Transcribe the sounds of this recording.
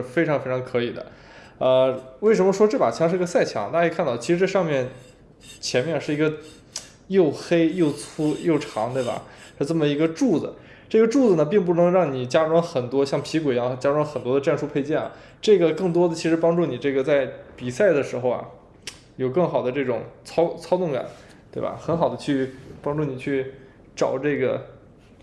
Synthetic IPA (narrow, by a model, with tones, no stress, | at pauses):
ʂɻ̩˥˧˩fe˥ɪʈ͡ʂʰɑ˧˥ŋfe˥ɪɑ˧˥ŋkʰɤ˧˥i˨˩d̪ə̰˦ | ə˧we˥˩ɪ̯ʂ̬ə˧˥mə˧ʂwɔ˥ʈ͡ʂɤ˥˩pa̰˨˩t͡ɕʰɑ˧˥ŋʂ̩˥˧˥ə˧sa˥˩ɪt͡ɕʰjɑ̰˧˥ŋt̪a˥˧˥kʰa˥˧nt̪ɑ˥˩ʊt͡ɕʰi˧˥ʂɻ̩˧˥ʈ͡ʂɤ˥˧ʂɑ˥˧ŋmjɛ˥˩n | t͡ɕʰjɛ˧˥nmjɛ˥˧nʂɻ̩˥˩i˧˥ɡə˧ | jo˥˩ʊxe˥ɪjo˥˩ʊt͡sʰu˥jo˥˩ʊʈ͡ʂʰɑ̰˧˥ŋt̪we˥˩ɪbɐ̰˩ʂ̩˥˧ʈ͡ʂə˥˩mə˩i˧˥ɡə˧ʈ͡ʂu˥˩d͡z̩̰˩ | ʈ͡ʂɤ˥˩ɡə˩ʈ͡ʂu˥˩d͡z̩˩nə˩p̬i˥˧ŋp̬u˥˩nɤ˧˥ŋɻɑ˥˩ŋni˨˩t͡ɕja˥ɻwa˥ŋxə˨˩nt̪wɔ˥ɕjɑ˥˩ŋpʰi˧˥kwe˨˩ɪjɑ˥˩t͡ɕja˥ɻwa˥nxə˨˩nt̪wɔ˥d̪ə˧ʈ͡ʂa˥˧nʂu˥˧pʰe˥˧ɪt͡ɕjɛ˥˩na̰˨˩ | ʈ͡ʂɤ˥˩ɡə˩kɤ˥˩ŋt̪wɔ˥d̪ə˨t͡ɕʰi˧˥ʂɻ̩˧˥pɑ˥ŋʈ͡ʂu˥˩ni˨˩ʈ͡ʂɤ˥˩ɡə˩t͡sa˥˩ɪpi˨˩sa˥˩ɪd̪ə˩ʂɻ̩˧˥xo˧ʊɐ̰˩ | jo˨˩ʊkɤ˥˩ŋxɑ˨˩ʊd̪ə˦ʈ͡ʂɤ˥˩ʈ͡ʂʊ̰˨˩˦ŋt͡sʰɑ˥ʊt͡sʰɑ˥ʊt̪ʊ˥˩ŋka̰˨˩˦n | t̪we˥˩ɪbɐ̰˩xə˧˥nxɑ˨˩ʊd̪ə˦t͡ɕʰy˥˩pɑ˥ŋʈ͡ʂu˥˩ni˨˩t͡ɕʰy˥˩ | ʈ͡ʂɑ˨˩ʊʈ͡ʂɤ˥˩ɡə̰˩